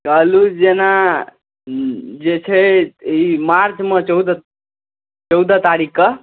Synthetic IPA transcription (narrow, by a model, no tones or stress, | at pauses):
kəlud͡ʒena | d͡ʒet͡ʃʰeimaɾt͡ʃmə̃t͡ʃɔwd̪a | t͡ʃɔwd̪at̪aɾikːə